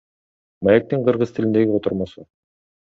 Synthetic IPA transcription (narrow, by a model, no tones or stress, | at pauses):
mæjæk̚t̪ɤɴqɤ̆ɾʁɤzt̪ɘ̆ɘ̆nd̪æɡɘot̪ŏɾmɑsɤ